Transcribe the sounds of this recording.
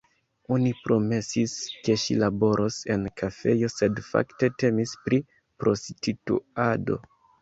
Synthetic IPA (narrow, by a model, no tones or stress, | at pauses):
o̞nipɾo̞me̞siske̞ʃilabo̞ɾʔose̞nkʰafe̞jo̞se̞dfa̰kte̞te̞mispɾi | pɾo̞sititṵado̞̰